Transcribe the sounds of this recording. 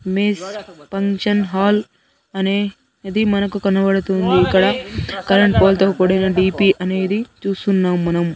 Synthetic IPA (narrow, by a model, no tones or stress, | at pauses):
mispɐŋʂɐnɦaːl | ɐneː | d̪imɐnɐkukɐnɐbɐɽut̪und̪iːkːɐɽɐkɐɾɐɳʈ̚poːlt̪oːkoɽɐnɐɖiːpiːʔɐne̞ːd̪it͡ʃuːst̪unːaːmːɐnɐm